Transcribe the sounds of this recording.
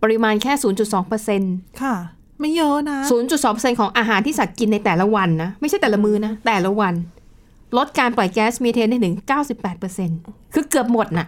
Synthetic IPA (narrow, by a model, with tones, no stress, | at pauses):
pa˧ɾi˧˥maː˧nkʰɛː˥˩suː˩˦nt͡ɕu˨˩t̪̚sɔː˩˦ŋpɤ˧se˧nkʰa˥˩ | ma˥˩jjɤ˦˥na˦˥suː˨˩˦nt͡ɕu˨˩t̪̚sɔː˨˦pɤ˧se˧nkʰɔː˩˦ŋʔaː˧ɦaː˨˦nt̪ʰiː˥˩sa˨˩t̪̚ki˧nːa˧jt̪ɛː˨˩la˦˥wa˧nːa˦˥ma˥˩t͡ɕʰa˥˩jt̪ɛː˨˩la˦˥mɯː˦˥na˦˥t̪ɛː˨˩la˦˥wa˧n | lo˦˥t̪̚kaː˧nplɔ˨˩jkɛː˦˥smiː˧t̪ʰeː˧ndaː˥˩nʰɯ˩˦ŋkaː˥˩wsi˨˩pːɛː˨˩t̪̚pɤː˧se˧nkʰɯː˧kɯ˨˩əp̚mo˨˩t̪̚na˨˩ʔ